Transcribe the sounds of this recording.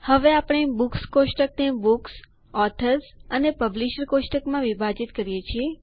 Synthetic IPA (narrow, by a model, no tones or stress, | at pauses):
həʋeapɽ̃ebukskoʃʈək̚t̪ẽbuks | ɔt̪ʰəɾsənepəbliʃəɾkoʃʈəkmãʋibʱad͡ʒit̪kəɾijet͡ʃʰie